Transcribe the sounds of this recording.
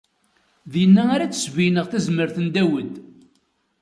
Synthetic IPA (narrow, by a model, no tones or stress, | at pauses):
ðjənːæaɾat͡sːə̥svijnəʁθæzməɾθənd̪æwəd̪